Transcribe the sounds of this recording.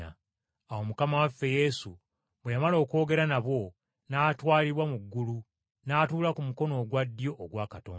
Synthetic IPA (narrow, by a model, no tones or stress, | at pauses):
a̰ | awo̞mukamawafːe̞je̞su | βwejamalo̞ːko̞ːɡe̞ɾanaβwo̞ | naːtwaːliɾwamuɡːulu | naːtuːlakumuko̞no̞ːɡwadːjo̞ʔːɡwaːkato̞ːn